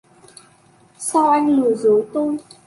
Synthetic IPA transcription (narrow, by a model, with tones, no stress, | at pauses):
sa˧wʔa˧jŋ̟lɨ˨˩zo˨˦t̪o˧j